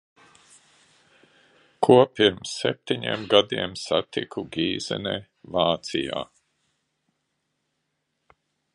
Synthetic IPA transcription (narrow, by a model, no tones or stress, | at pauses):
kʰuɔpiɾmsːɛp̚t̪iɲḭmɡad̪iɛmsat̪ikʰuɡʲiːzɛ̰nḛː | vaːt̪sija̰ː